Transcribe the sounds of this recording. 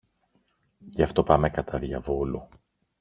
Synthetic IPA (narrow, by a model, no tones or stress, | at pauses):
ʝɐft̪o̞pɐmekɐt̪ʰɐðʝɐ̰volu